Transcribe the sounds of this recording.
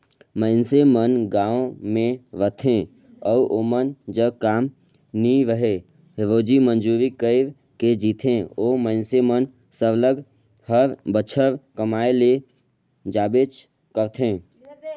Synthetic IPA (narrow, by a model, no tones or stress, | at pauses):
məɪnsemənɡãːõmẽʋət̪ʰẽ | ɔʔoːmənd͡ʒəbkaːm | niɾəɦe | ɦeɾoːd͡ʒimənd͡ʒuːɾikəɪɾ | ked͡ʒiːt̪ʰẽoːməɪnsemən | sələɡ | həɾbət͡ʃʰəɾkəmaːele | d͡ʒaːbeːt͡ʃ | kəɾt̪ʰẽː